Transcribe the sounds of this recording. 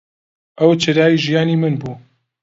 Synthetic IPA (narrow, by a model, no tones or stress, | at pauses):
ʔɐwt͡ʃʰɐd̪aːjiːʒijaːniːmɨnbuː